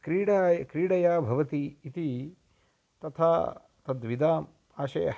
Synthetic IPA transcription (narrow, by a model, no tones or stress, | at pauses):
kɾiːɽaːjkɾiːɽɐjaːbʱɐʋɐt̪iːt̪i | t̪ɐt̪ʰaː | t̪ɐd̪ʋid̪aːm | aːʃɐ̰